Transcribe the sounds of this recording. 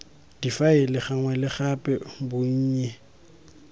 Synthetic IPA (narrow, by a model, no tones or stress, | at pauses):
d̥ifaɪlɪχaŋwɛlɪχapʼɛbʊɲ̩ːɲɛ